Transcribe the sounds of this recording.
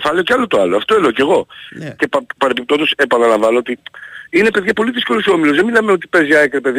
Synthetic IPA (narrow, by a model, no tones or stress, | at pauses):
fɐlioceɐlot̪oɐloɐft̪oeleoce̞ɣo̞cepɐpɐɾepip̚t̪od̪ose̞pɐnɐlɐɱvɐnoot̪iine̞pe̞ðʝɐpo̞liðisko̞loso̞milozðemilɐmeo̞t̪i̥pe̞zjɐekɾepeð